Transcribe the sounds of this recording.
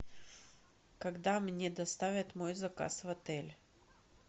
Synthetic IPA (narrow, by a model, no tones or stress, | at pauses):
kɐɡd̪amnʲed̪ɐst̪avʲɪt̪mo̞jzɐka̰svɐt̪ɛlʲ